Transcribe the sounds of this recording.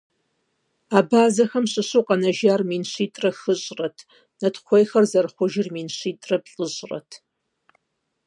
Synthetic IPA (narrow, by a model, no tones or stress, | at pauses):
aːbaːzɐxɐmɕʼɪɕuːqɐnɐʒaːrmiːnɕiːtʰrɐxɨɕʼrɐtʰ | nɐtʰχʷɔjxɐrzɐrχʷʊʒɪrmiːnɕiːtʰrɐpɬʼɨɕʼrɐ̰tʰ